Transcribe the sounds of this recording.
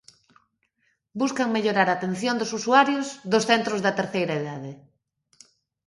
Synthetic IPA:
buskɐŋmeʎoɾaɾaːt̪en̟θjond̪ʊsusuaɾjʊszðʊsθent̪ɾʊzðɐt̪eɾθejɾaeðaðe

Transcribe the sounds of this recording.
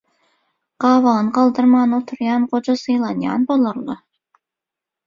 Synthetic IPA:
qɑvɑnqɑlˠd̪əɾmɑnot̪ʰəɾjɑnqot͡ʃɑsɤjlˠɑnjɑ̰nbolˠɤɾlˠɤ

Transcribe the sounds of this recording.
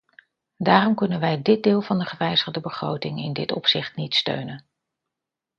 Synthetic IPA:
daːrɔmkɵnənʋɛjdɪd̚dɪːlˠvɑndəχəʋɛjzəχdəbəχro̰wtɪŋɪ̰ndɪtɔ̰psɪχtnitstø̰ɥnən

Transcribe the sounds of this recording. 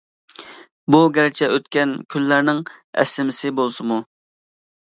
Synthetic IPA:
buɡʲɛɾɪt͡ʃʰɛʔøt̪kʲɛnkʲʰylːæɾnɪŋɛ̰sːɪmɪsɪbolˠsɨmu

